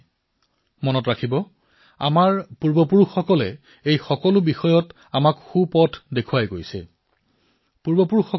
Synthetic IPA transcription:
mɔnɔtɹakʰibɔ | a̰maɹpuɹbɔpuɹuxːɔkɔlɛ | ejxɔkɔlʊbixɔjɔt | amakxupɔtʰdekʰuajɡojsɛ̰ | puɹbɔpuɹuxɔ

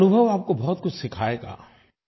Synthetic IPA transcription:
nʊbʱəʋaːp̚kobɔɦʊt̪kʊt͡ʃʰsɪkʰaːeɡa̰ː

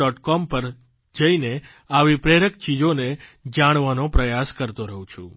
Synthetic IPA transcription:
ɔʈkɔmpəɾ | d͡ʒəine | aʋipɾeɽəkt͡ʃid͡ʒoned͡ʒaɽ̃ʋanopɾəjaskəɾt̪oɾəɦũt͡ʃʰṵ̃

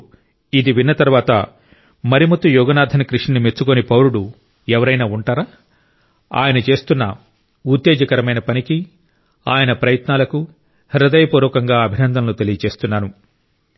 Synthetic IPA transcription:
id̪iʋinːɐt̪ɐɾʋaːt̪ɐ̰ | mɐɾimɐt̪ːujɔːɡɐnaːd̪ʱɐnɐkɾiʂnɐnimet͡ʃːukonipɐwɾuɽu | ɛʋɐɾɐjnaːuɳʈaːɾaː | a̰ːjɐnɐt͡ʃe̞ːst̪unːɐ | ut̪ːeːd͡ʒɐkɐɾɐmɐjnɐpɐniki | a̰ːjɐnɐpɾɐjɐt̪naːlɐku | hɐɾɐd̪ɐjɐpuːɾɔːkɐŋɡaːɐbʱinɐnd̪ʱɐmlut̪elijɐt͡ʃe̞ːst̪unːaːnu

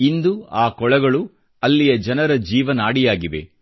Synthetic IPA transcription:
ind̪uaːkɔɭɐɡɐɭu | ɐlːijɐd͡ʒɐnɐɾɐd͡ʒiːʋɐnaːɽijaːɡiʋe̞̰

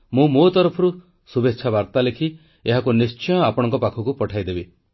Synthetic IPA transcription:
mũmot̪ɔɾɔpʰɔɾu | subetːʃʰabaɾt̪alekʰi | eɦakunist͡ʃɔjɔapɔɽ̃ɔŋkɔpakʰɔkupɔʈʰajd̪ebi

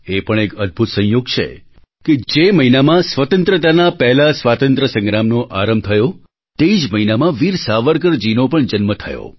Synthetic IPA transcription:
epəɳ̃ekəd̪̚bʱut̪sə̃ɦjoɡt͡ʃʰḛ | ked͡ʒeməɦinamãsʋət̪ənt̪ɾət̪anapɛɦlasʋat̪ənt̪ɾəsə̃ŋɡɾamnoʔaɾəmb̚t̪ʰəjo | t̪eid͡ʒməɦinamãʋiɾsaʋəɾk̬əɾd͡ʒinopəɳd͡ʒənmət̪ʰəjo̰

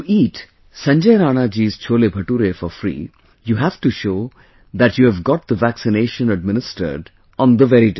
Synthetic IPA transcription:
ʈuʔiːʈ | sɐ̃ɲd͡ʒəjɾaːnaːd͡ʒiːz̥t͡ʃʰoːlebʱɐʈuːɾefɔɾfɾḭː | juːɦæʋʈuʃoː | d̪æʈjuːæʋɡɔʈ̚d̪əʋæksɪneːʃə̃nəɖ̚mɪnɪsʈə̰ɾɖ | ɔ̃nd̪əʋɛɾiʈ

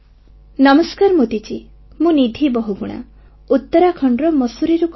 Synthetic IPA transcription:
nɔmɔskaɾmut̪it͡ʃi | mũnid̪ʱibɔɦuɡuɽ̃a̰ | ut̪ːɔɾakʰɔɳɖɾɔmɔsuɾiɾuk

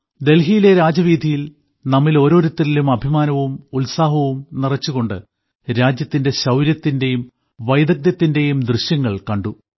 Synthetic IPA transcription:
d̪e̞lɦijileɾaːd͡ʑɐʋiːd̪ʱijil | nɐmːilo̞ːɾo̞ːɾut̪ːililumɐbʱimaːnɐʋumulsaːɦɐʋumnirɐt͡ɕːuɣo̞ɳɖɨ | ɾaːd͡ʑjɐt̪ːinde̞ɕɐwɾjɐt̪ːinde̞jum | ʋɐjd̪ɐk̚d̪jɐt̪ːinde̞jumd̪rɨɕjɐŋːɐɭkɐɳɖu

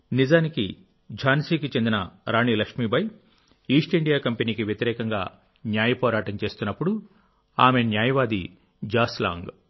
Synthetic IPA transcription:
nizaːniki | d͡ʒaːnsiːkit͡ʃend̪inɐɾaːniːlɐkʂmiːbɐj | iːʂʈiɳɖijaːkɐmpeniːkiʋjɐt̪iɾɛːkɐŋɡaː | njaːjɐpɔːɾaːʈɐmt͡ʃe̞ːst̪unːɐpːuɽu | aːme̞njaːjɐʋaːd̪i | d͡ʒaːsla̰ːŋɡ

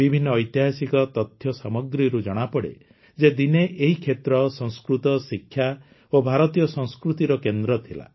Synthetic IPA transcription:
bibʱinːɔːjt̪jaɦasikɔt̪ɔt̪ʰjɔsamɔɡɾiɾud͡ʒɔɽ̃apɔɽḛ | d͡ʒed̪ineʔeɦikʰet̪ɾɔsɔ̃ŋskɾut̪ɔsikʰːja | obʱaɾɔt̪ijɔsɔ̃ŋskɾut̪iɾɔkend̪ɾɔt̪ʰila̰

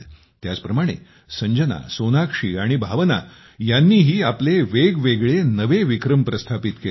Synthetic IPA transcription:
t̪jat͡spɾəmaɽ̃ḛ | səɲd͡ʑəna̰sonakʂiːaɽ̃ibʱaʋəna̰ | janːiːɦiːapleʋeɡʋeɡɭenəʋeʋikɾəmpɾəst̪ʰapit̪ke

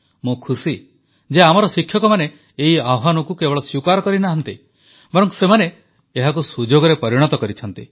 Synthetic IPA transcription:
mũkʰusi | d͡ʒeamɔɾɔsikʰjɔkɔmaneː | ɦiaɦanɔkukebɔɭɔsukaɾɔkɔɾinaɦɔnt̪ḭ | bɔɾɔŋsemane | eɦakusud͡ʒoɡɔɾepɔɾiɽ̃ɔt̪ɔkɔɾit͡ʃʰɔnt̪i

